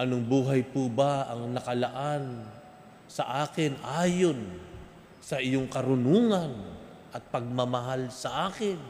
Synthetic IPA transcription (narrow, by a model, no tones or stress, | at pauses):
ʔɐnoŋbuːɦɐjpubaɐŋnɐkɐlɐʔan | sɐʔaːkɪnʔaːjo̞n | sɐʔɪjoŋkɐɾʊnuːŋɐn | ʔɐt̪̚pɐɡ̚mɐmɐɦalsɐʔaːkɪn